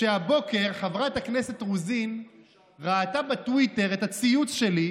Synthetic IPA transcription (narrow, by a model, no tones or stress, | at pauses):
ʃeabo̞ke̞ʁχavʁaetaknese̞tʁuzin | ʁaːtabetwite̞ʁetat͡siut͡sʃe̞li